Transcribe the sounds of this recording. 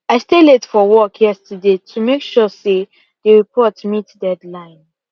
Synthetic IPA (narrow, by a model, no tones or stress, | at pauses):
aɪsteletfɔwɔkʰjɛstʰədetʰumekʃɔse | dəɹipʰɔtmitdɛdlãɪ̃n